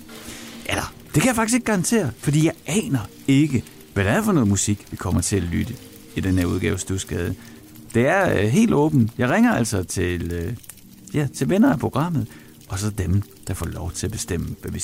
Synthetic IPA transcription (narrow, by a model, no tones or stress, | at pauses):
ʔælɐ | d̥e̝kʰæjɑfɑɡ̥ise̝ɡ̥ɡ̥ɑ̈ɑ̈nt͡sʰe̝̰ːɐfɒ̽d̥ḭːjɑ̈ɪʔɛːnɐ | e̝ɡ̥ə | ʋæɾ̥ææfɒnɔ̽ːð̩ˠmusiɡ̥ʋikʰɒ̽m̰ɐt͡sʰe̝ælyd̥ə | id̥enheɐuð̞ˠɡ̥ɛːʊsd̥usɡ̥ɛːð̞ˠ | d̥e̝æɐɦe̝̰ːld̥ɔ̰̽ːb̥n̩jɑ̈ɪʁeŋɐæl̰sɒt͡sʰe̝lø | jæt͡sʰe̝lʋenɐæpʰʁo̝ɡ̥ʁɑ̈m̰ð̞̩ˠ | ʔɒ̽sɒ̽d̥em | d̥ɑ̈fɒ̰ːlɒʊt͡sʰe̝læb̥e̝sd̥em̰əʋæʋi